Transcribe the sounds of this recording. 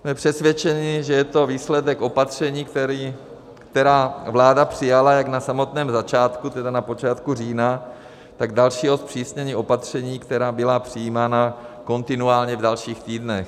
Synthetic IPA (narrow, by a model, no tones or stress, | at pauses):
smɛpr̥ɛsvʲjɛt͡ʃɛɲɪʒɛjɛt̪o̞viːslɛdɛkʔo̞pat̪r̝̥ɛɲiːkt̪ɛɾiː | kt̪ɛɾaːvlaːdapr̝̥ɪjalajaɡnasamo̞t̪nɛːmzat͡ʃaːt̪kut̪ɛdanapo̞t͡ʃaːt̪kuriːna | t̪aɡdalʃiːɦo̞spr̥iːsɲɛɲiːʔo̞pat̪r̝̥ɛɲiːkt̪ɛɾaːbɪlapr̥ɪjiːmaːnako̞nt̪ɪnuaːlɲɛvdalʃiːxt̪iːdnɛx